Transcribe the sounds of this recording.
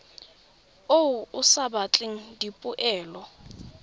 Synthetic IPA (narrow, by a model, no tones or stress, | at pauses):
owuʊsabat͡ɬʼɪŋ̩dipʼʊʔɛːlɔ